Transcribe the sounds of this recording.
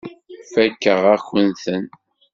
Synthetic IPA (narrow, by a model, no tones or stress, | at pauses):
fækːəʁæçənθən